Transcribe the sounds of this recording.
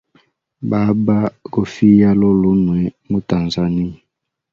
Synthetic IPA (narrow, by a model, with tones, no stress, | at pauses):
ba˨˦ba˦ko˨fi˦ja˦lo˦lu˦nwɛ˨mo˦ta˨nza˨ni˦˨